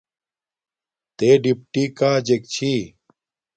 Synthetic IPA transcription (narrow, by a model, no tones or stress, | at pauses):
t̪eːɖipʈikaːd͡ʑek̚t͡ɕʰiː